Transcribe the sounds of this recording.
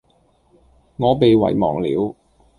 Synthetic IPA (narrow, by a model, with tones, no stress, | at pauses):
ŋɔː˨˧pe˨jwɐ̰˨˩jmɔ̰ː˨˩ŋlḭː˨˥w